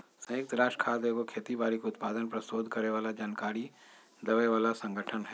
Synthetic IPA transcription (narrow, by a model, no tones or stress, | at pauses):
sɐ̃ɪk̚t̪ɾaːʃʈkʰaːd̪eɡokʰeːt̪ibaːɾikʊt̪paːd̪ənpɾɐsoːd̪ʱkɐɾeʋaːlad͡ʒaːnkaːɾi | d̪ɐʋeʋaːlasə̃ŋɡʱəʈʰənɦɛː